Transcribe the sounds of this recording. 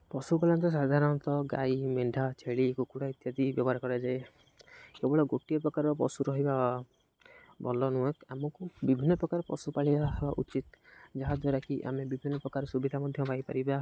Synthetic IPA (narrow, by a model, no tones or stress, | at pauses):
pɔsupalɔnt̪ɔs̬ad̪ʱaɾɔnt̪ɔɡaimeɳɖʱat͡ʃʰeɭikukuɽait̪jad̪ibjɔbɔaɾɔkɔɾed͡ʒae | kebɔɭɔɡoʈijɔpɾɔkaɾɔpɔ̰suɾɔɦiba | bɔlɔnuekamɔkubibʱinːɔpɾɔkaɾɔpɔ̰supaɭibabaʔut͡ʃit̪d͡ʒaɦad̪waɾakiʔa̰mebibʱinːɔpɾɔkaɾɔsubid̪ʱamɔd̪ʱjɔpaipaɾiba